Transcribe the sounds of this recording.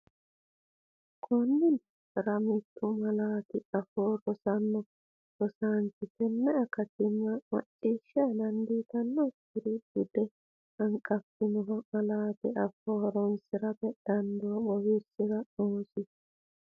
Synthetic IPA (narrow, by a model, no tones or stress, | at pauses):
kʰɔnːɪn | ɾɐmɪt̪ʼːʊmɐlaːt̪ɪɐfoːɾɔsɐnːɔ | ɾɔsaːnt̪ɪkɛnːɛɐkɐt̪ɪnːɐmɐ̰t͡ʃʼːiːʃːɪɐlɐnd̪iːt̪ɐnːɔtːɪɾɪdʊd̪ɛ | ɐŋkʼɐpːɪnɔɦɐmɐlaːt̪ɪɐfoːɾɔnsɪɾɐbɛd̪̥ɐnd̪ɔwɐbɔwɪɾsɪɾɐoːsɪ